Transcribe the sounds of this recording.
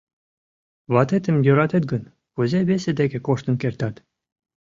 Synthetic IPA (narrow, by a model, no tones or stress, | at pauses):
βɑt̪et̪ɘ̆mjøɾɑt̪et̪̚ɡə̆n | puzʲeβesʲĕd̪ekʲĕkoʃt̪ɤ̆nkert̪ɑt̪